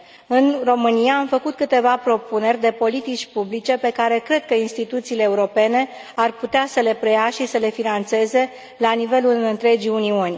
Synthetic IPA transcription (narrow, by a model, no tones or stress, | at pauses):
ɨnro̞mɨnijaːmfəkut̪̚kɨt̪e̞vapɾo̞pune̞rʲd̪e̞po̞lit̪it͡ʃʲpublit͡ʃe̞pe̞kaɾe̞kɾe̞d̪̚kəinst̪it̪ut̪siːleːuɾo̞pe̞ne̞ | arput̪easəle̞pɾe̞jaʃisəle̞finant̪se̞ze̞ | lanive̞lulɨnt̪ɾe̞d͡ʒiunionʲ